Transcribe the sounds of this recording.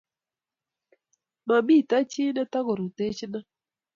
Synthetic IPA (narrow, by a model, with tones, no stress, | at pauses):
ma˨bi˦˨ta˦t͡ʃɪ˦nɛ˦ta˦kɔ˨ɾu˨te˦t͡ʃna˦